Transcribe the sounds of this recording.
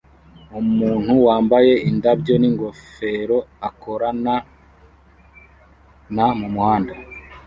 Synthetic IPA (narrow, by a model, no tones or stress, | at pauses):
umuːn̥huwaːmbaje̞indabjo̞niŋɡo̞fe̞ɾo̞ako̞ɾana | namumuhaːnda